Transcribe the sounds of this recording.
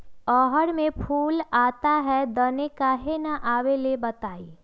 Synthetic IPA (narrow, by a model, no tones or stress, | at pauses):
ɔːɦəɽmẽpʰuːlaːt̪aɦɛd̪ɐnekaɦenaʔaːwelebɐt̪aːi